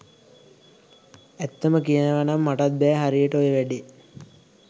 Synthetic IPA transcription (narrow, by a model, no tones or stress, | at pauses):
æt̪ːəməkijənəʋanamːaʈat̪̚bɛːɦaɾijəʈəojəʋæɖi